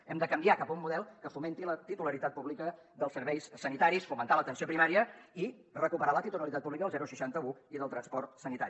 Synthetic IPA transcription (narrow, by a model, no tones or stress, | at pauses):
ɛmd̪əkəmbiakapəumːuðɛlˠkəfument̪ilət̪it̪uləɾit̪at̪̚puβlikəðəlˠsəɾβɛjssːənit̪aɾisfumənt̪alət̪ənsiopɾimaɾiəi | rəkupəɾalət̪it̪uləɾit̪at̪̚puβlikəəlzɛɾuʃəʃant̪əuiðəlˠt̪ɾənspɔrt̪sənit̪a̰i